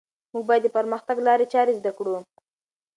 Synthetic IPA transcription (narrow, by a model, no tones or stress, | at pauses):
muɡ̚bɑjad̪ːəpəɾməxt̪aɡlɑɾet͡ʃɑɾezd̪akɽo